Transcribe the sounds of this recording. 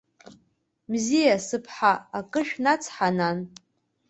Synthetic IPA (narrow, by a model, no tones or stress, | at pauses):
mzijasɨpʰħaakʼɨʃᶣnat͡sʰħanan